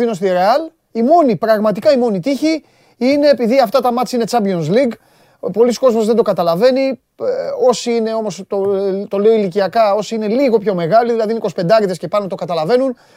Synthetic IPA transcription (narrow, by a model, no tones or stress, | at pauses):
inost̪iɾeɐl | imo̞nipɾɐɣmɐt̪̬ikɐimo̞nit̪içi | ine̞ːpiðiɐft̪ɐt̪ɐmɐt͡sine̞t͡sɐmbio̞nsliɡ | po̞lisko̞zmo̞zðe̞nd̪o̞kɐt̪ɐlɐve̞ni | o̞siine̞o̞mo̞st̪ot̪ole̞oiliciɐkɐo̞siine̞liɣo̞pço̞me̞ɣɐliðilɐðiniko̞si̥pe̞nd̪ɐɾiðesce̞pɐnot̪o̞kɐt̪ɐlɐve̞nun